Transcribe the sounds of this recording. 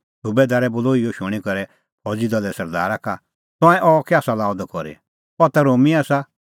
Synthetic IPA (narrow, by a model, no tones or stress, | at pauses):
subɛd̪aːɾɛbʊloːijɔʃʊ̃ɽ̃ikɔɾɛ | ɔd͡zid̪ɔlɛsɐɾd̪a̰ːɾaka | t̪ãːɛ̃ʔɔkɛaːsalaːbd̪kɔɾḭ | ɔt̪aɾoːmiaːsa